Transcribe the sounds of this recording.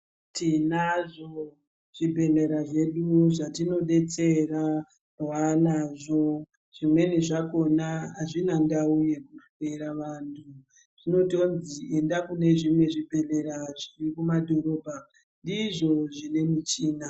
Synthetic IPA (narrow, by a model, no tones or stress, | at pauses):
tinaʐo | ʐ̥ibʱe̞leɾaʐe̞ɗuʐatino̞ɗe̞t͡se̞ra | rwanaʐo̞ | ʐ̥imwe̞niʐako̞naaʐinandauje̞kufe̞ɾaʋantʰu | ʐ̥ino̞tonzie̞ndakune̞ʐimwe̞ʐibʱe̞leɾaʐirikumadʱo̞ɾo̞ːbʱa | ndiʐo̞ʐine̞mit͡ʃiːna